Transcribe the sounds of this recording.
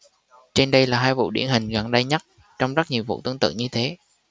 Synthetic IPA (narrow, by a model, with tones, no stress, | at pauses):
t͡ɕe˧nɗə˧jlaː˨˩ɦaː˧jvṵ˧˨ɗḭ˧˩ənhï˨˩ŋ̟ɣa̰˨˩nɗə˧jɲə˦˥t̚ | t͡ɕɔ˧wŋ͡mzə˦˥t̚ɲi˨˩əwvṵ˧˨t̪ɨ˧ənt̪ɨ̰˧˨ɲɨ˧t̪ʰe˨˦